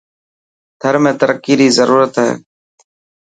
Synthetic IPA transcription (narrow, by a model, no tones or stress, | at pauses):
t̪ʰəɾmẽːt̪əɾəkːiːɾiːzəɾuːɾət̪ɦɛ̰ː